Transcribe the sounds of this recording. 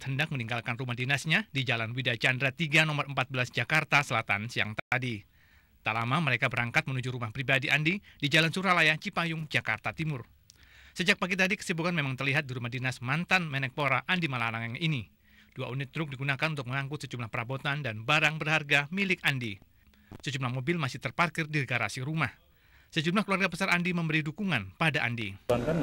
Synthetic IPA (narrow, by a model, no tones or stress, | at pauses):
t̪həndak̚məniŋɡalkanrumahdinasɲadid͡ʒalanwidajat͡ʃandɾat̪iɡanɔməɾʔəmpat̪̚bəlasd͡ʒakart̪asəlat̪a̰nsəja̰ŋt̪at̪adi | t̪alamaməɾekabəɾaŋkat̪̚mənud͡ʒuɾumahpɾibadiʔandidid͡ʒalansuɾalajat͡ʃipajʊŋd͡ʒaka̰rt̪at̪imʊr | səd͡ʒak̚paɡit̪adikə̥sibukanmemaŋt̪ərliɦat̪̚diɾumahdinasmant̪anmɛnɛk̚poɾaʔandimalalaŋaŋʔini | d̥uaʔunɪt̪̚ːɾʊk̚diɡunakanunt̪ʊk̚məŋaŋkʊt̪̚səd͡ʒumlahpəɾabot̪andanbaɾaŋbərharɡamilɪkandi | səd͡ʒumlahmobɪlmasɪht̪ərparkɪrdiɡaɾa̰siɾumah | səd͡ʒumlahkəluarɡapəsaɾandiməmbəɾidukuŋanpadaʔa̰ndiankan